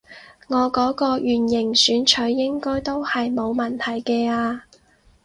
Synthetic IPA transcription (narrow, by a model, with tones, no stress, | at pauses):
ŋɔː˨˧kɔː˨˥kɔː˧jyː˨˩njɪ˨˩ŋsyː˨˥nt͡ʃʰɵ˨˥jːɪ˥ŋkɔː˥jt̪o˥whɐ˨jmo˨˧wmɐ˨nt̪ʰɐ˨˩jkɛː˧aː˧